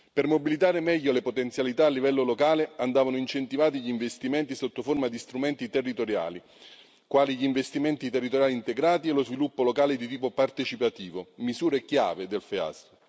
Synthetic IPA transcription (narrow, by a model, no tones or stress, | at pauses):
permobilit̪aːɾemɛʎːolepot̪ent̪sjalit̪aːlːivɛlːolokaːleand̪aːvanʊint͡ʃent̪ivaːt̪̬iʎiːɱvest̪imɛnt̪isot̪ːoformad̪ist̪ɾumɛnt̪it̪erːit̪oɾja̰ːli | kwaːliʎiɱvest̪imɛnt̪it̪erːit̪oɾjaːlint̪eɡɾaːt̪ielozvilupːolokaːled̪it̪̬iːpopart̪et͡ʃipat̪iːvomizuːɾekja̰ːved̪elfea̰s